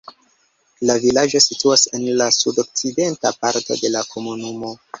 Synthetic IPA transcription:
lavilad͡ʒo̞situase̞nlasudo̞k̚t͡side̞ntapaɾto̞̰de̞lakʰo̞munumo̞

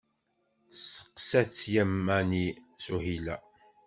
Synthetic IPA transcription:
t͡ssə̥qsæt͡sːjæmːænisuhilæ

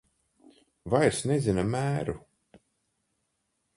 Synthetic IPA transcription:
vajɾsnɛzinamæːɾu

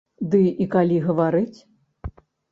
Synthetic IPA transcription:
d̪ɨikalʲiɣɐvaɾɨt͡sʲ

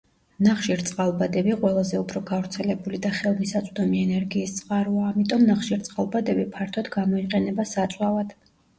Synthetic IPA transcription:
naχʃiɾt̪sʼqʼalˠbad̪ɛbiqʼwɛlˠazɛupʰɾɔɡavɾt̪sʰɛlɛbulid̪aχɛlˠmisat̪sʼd̪ɔmiɛnɛɾɡiːst̪sʼqʼaɾuaːmit̪ʼɔmnaχʃiɾt̪sʼqʼalˠbad̪ɛbipʰaɾt̪ʰɔd̪ɡamɔiqʼɛnɛbasat̪sʼwavad̪̥

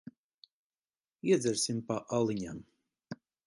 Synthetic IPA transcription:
iɛd̪zɛɾsʲimpaʔalˠiɲam

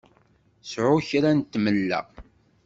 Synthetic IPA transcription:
sʕʊçɾænt̪ːməlːæ̰

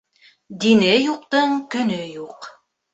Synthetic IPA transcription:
d̪inɘjuq̚t̪ɤɴkɵ̆nɵjuq

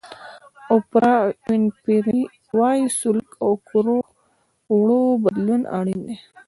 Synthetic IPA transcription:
opɾainpiɾi | waisʊlkawkuɾo | ɽobəd̪luna̰ɽind̪e

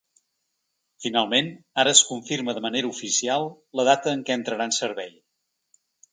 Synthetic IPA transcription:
finalˠmen | aɾəːskuɱfiɾməðəməneɾəufisialˠ | ləð̞at̪əːŋkɛənt̪ɾəɾansəɾβɛj

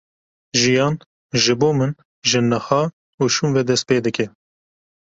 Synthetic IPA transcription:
ʒijɑːn | ʒɨboːmɨn | ʒɨnɐhɑː | uʃuːnvɛd̪ɛst̪̚peːd̪ɨkɛ

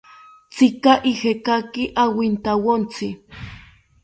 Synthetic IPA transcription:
t͡sɪkaʔihekakiʔawint̪awont͡sɪ

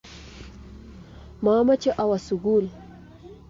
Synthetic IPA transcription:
mɑːmat͡ʃeʔawasuɡul

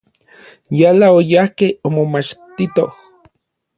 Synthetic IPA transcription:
jalaojahkehomomat͡ʃt̪it̪oh

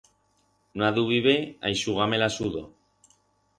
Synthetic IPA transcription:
naðuβiβea̰jsuɣamelasuðo

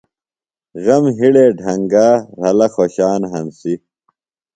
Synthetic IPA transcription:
ɣɐmɦiɽeːɖʱɐŋɡaːɾɐlɐxoɕaːnɦɐnsi

